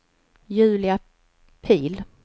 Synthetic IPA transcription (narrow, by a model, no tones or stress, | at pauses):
jʉ̟ːlɪa | pʰiːl